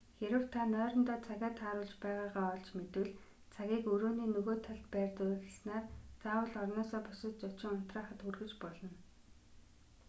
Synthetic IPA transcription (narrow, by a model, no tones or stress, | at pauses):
xeɾɘ̆w̥t̪ʰanœːɾɞ̆nt̪ɔːt͡sʰaɣʲaːt̪ʰχaːɾʊːɮt͡ɕpæːʁaːʁaːɔɮt͡ɕmet̪ɘ̆ɮ | t͡sʰaɣʲiːkɵɾoːniːnɵɣoːt̪ʰːaɮt̪̚pæːrt̪ʊxesnaːrt͡saːwə̆ɮɔrnɔːsɔːpʊsɪ̆tt͡sʊt͡ɕɪ̆ŋɔt̪raːχə̆t̪urɣɘ̆t͡ɕpɔɮɞ̆n